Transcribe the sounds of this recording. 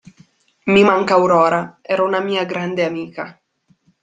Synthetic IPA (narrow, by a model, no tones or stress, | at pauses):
mimaŋkaːwɾɔːɾaɛːɾaunamiːaɡɾand̪eamiːka